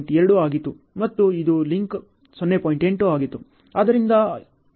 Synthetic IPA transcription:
ɳʈɛɾɐɽuaːɡit̪ːu | mɐt̪ːuid̪uliŋk | sɔnːepoːjiɳʈe̞ɳʈoaːɡit̪ːu | aːd̪ɐɾind̪ɐ

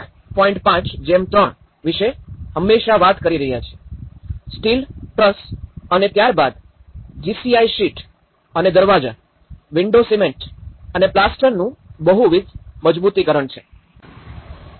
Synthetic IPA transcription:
kʰ | pɔĩɳʈpãt͡ʃd͡ʒemt̪ɾəɳ | ʋiʃeɦəmːeʃaʋat̪kəɾiɾəɦjat͡ʃʰe̥ | sʈilʈɾəsənet̪jaɾbad̪ | d͡ʒisiaiʃiʈ | əned̪əɾʋad͡ʒa̰ | ʋiɳɖosimẽɳʈəneplasʈəɾnũbəɦuʋid̪məd͡ʒbut̪ikəɾəɳt͡ʃʰe̥

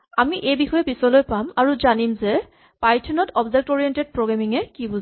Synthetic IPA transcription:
amiʔejbixɔjɛpisɔlojpamaɹuzanimzɛ | pajtʰɔnɔtʰɔbzɛk̚tɔɹiɛnted̚pɹoɡɹamiŋɛkibuz

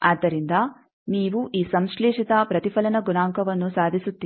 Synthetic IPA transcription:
aːd̪ɐɾind̪aː | miːʋuʔiːsɐmslɛːʂit̪aːpɾɐt̪ipʰɐlɐnɐɡunaːŋkɐʋɐnːusaːd̪ʱisut̪ːi

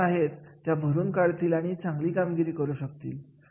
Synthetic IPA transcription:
aɦet̪ːjabʱəɾuːnkaɭt̪iːlaɽ̃it͡sãŋɡliːkamɡiɾiːkəɾuɕək̚t̪ḭːl

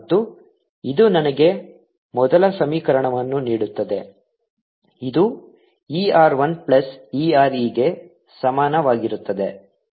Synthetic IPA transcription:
t̪ːu | id̪unɐnɐɡe̞ | mɔd̪ɐlɐsɐmiːkɐɾɐɳɐʋɐnːuniːɽut̪ːɐd̪e̞ | id̪u | iːaːɾʋɐnplɐsiːaːɾiːɡe̞ | sɐmaːnɐʋaːɡiɾut̪ːɐd̪e̞

